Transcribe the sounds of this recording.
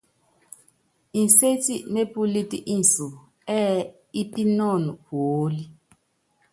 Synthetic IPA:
i˨n˨se˦ti˦˨ne˦pu˦li˦tḭ˦˨ʔi˦n̩˨su˨ | ɛ˦ | i˦pi˦nɔ˦˨nu˨hoː˨˦li˦

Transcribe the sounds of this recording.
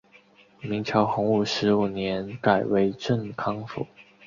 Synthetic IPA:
mi˧˥ŋt͡ɕʰjɑ˧˥ʊxʊ˧˥ŋu˥˩ʂɻ̩˧˥u˨˩njɛ˧˥nka˨˩ɪwe˧˥ɪʈ͡ʂə˥˩ŋkʰɑ˥ŋfṵ˨˩˦

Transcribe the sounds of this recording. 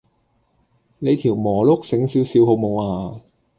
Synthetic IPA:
ne˨˧jt̪ʰiː˨˩wmɔː˨˩lʊ˥k̚sɪ˨˥ŋsiː˨˥wsiː˨˧who˧wmo˨˧waː˨˧

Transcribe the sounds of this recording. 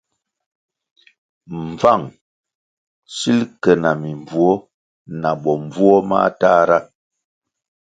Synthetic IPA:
ɱ˨va˦˨ŋ | si˦lkɛ˨na˨mi˨ɱb͡vu˨ɔ˦ | na˨ɓɔ˨m˨vu˦ɔ˦ma̰˦taː˦ɾa˦

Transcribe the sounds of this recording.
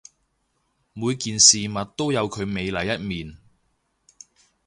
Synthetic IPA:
muː˨˧jkiː˨nsiː˨mɐ˨t̚t̪o˥wjɐ˨˧wkʰɵ˨˧ɥme˨˧jlɐ˨˩jɐ˥t̚miː˨˩n

